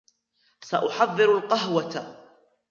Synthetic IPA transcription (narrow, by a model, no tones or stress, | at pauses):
saʔʊħɑðˤːɨɾʊlqɑɦwat̪a